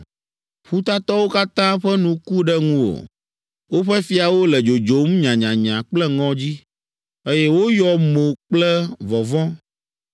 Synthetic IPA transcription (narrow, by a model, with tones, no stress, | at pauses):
ɸu˦t̪a˦t̪ɔ˦wo˦ka˦t̪ã˦ɸɛ˦nũ˨ku˦ɖɛ˦ŋũ˦wo̰˨ | wo˦ɸɛ˦fi˦a˨wo˦lɛ˨d͡ʒo˨d͡ʒo˨m˦ɲã˨ɲã˨ɲã˨k͡plɛ˦ŋɔ̃˦d͡ʑi˦ | e˦jɛ˦wo˦jɔ˨mo˨k͡plɛ˦vɔ˨vɔ̃˦